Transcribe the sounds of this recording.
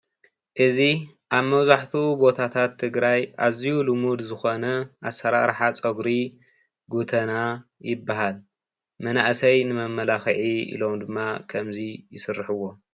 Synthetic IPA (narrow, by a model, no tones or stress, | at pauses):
ʔɨzi | ʔaβmɐwzaħt̪ʰubo̞t̪ʰat̪ʰat̪ʰːɨɡɾajʔazijulumud̪zɨxo̞nɐʔasɐɾaɾħat͡sʼɐɡɾi | ɡut̪ʰɐnajɪbːaɦal | mɐnaʔsɐjnɨmɐmːɐlaxʕiḭlo̞md̪ɨmːakʰɐmzijɪsɨrːħɨwːo̞